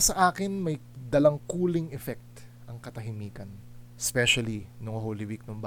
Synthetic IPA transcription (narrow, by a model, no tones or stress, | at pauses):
sɐʔaːkɪnmɐj | d̪ɐlɐŋkuːlɪŋʔɛfɛk̚t̪ | ʔɐŋkɐt̪ɐɦɪmiːkɐn | spɛʃɐlinʊŋɦoliwik̚nomb